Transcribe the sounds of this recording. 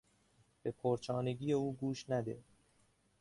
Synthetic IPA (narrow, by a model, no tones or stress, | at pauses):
b̥epʰoɾt͡ʃʰɒːneɡiːjeuːɡuːʃnæd̪e̞